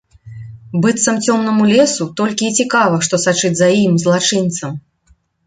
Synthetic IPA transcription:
bɨt̪sɐmt͡sʲɔmnɐmulʲɛsut̪ɔlʲkʲiːt͡sʲikavɐʂt̪ɔsat͡ʂɨd͡zʲzɐimzlˠat͡ʂɨnt̪sɐm

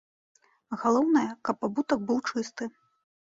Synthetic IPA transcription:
ɣalˠɔwnɐjɐkɐpːabut̪ɐk̚bɨwt͡ʂɨst̪ɨ

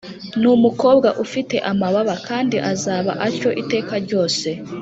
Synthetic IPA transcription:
numuko̞ːb̚ɡaʔufite̞ʔamaβaβakʰaːndiʔazaːβa̰ʔaɾco̞ʔite̞ːkaɾɟo̞ːse̞

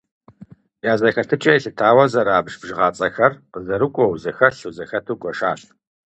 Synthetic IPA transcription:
jaːzɐxɐtʰɨt͡ʃʼɐjɬɨtʰaːwɐzɐɾaːbʒbʒɨʁaːt͡sʼɐxɐrqəzɐɾɨkʷʼɔwzɐxɐɬuwzɐxɐtʰuːkʷʼɔʃaːɕ

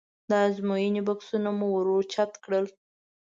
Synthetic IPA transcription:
d̪əazmojinibaksunamuwəɾoɾt͡ʃat̪kɽəl

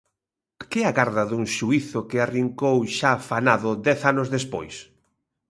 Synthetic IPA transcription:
kɪɛaɣaɾðɐðuŋʃuiθʊkɪariŋkowʃafanaðʊd̪ɛθanʊzðespojs

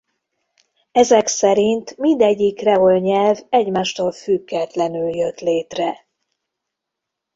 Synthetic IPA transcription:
ɛzɛksɛɾint̪mind̪ɛɟːikrɛɦolɲɛlvɛɟmaːʃt̪oːlfyɡːɛt̪lɛnyljøt̪leːt̪rɛ

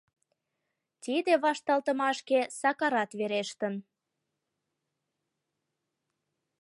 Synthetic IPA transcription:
t̪id̪eβɑʃt̪ɑlt̪ə̆mɑʃkesɑkɑɾɑt̪βeɾeʃt̪ən

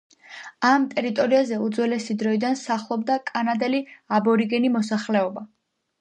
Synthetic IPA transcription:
amt̪ʼɛɾit̪ʼɔɾiazɛud̪zwɛlɛsid̪ɾɔid̪ansaχlˠɔbd̪akʼanad̪ɛliabɔɾiɡɛnimɔsaχlɛɔba

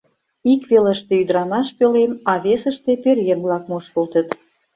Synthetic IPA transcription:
ikβeləʃt̪eyd̪ɾɑnɑʃpølemɑβesə̆ʃt̪epørjemβlɑk̚muʃkolt̪ə̆t̪

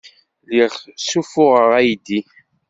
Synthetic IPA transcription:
liʁsufʊʁəʁæjd̪i

